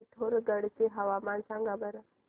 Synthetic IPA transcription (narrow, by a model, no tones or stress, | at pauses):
t̪ʰoɾəɡəɽt͡seɦəʋamansãŋɡabəɾə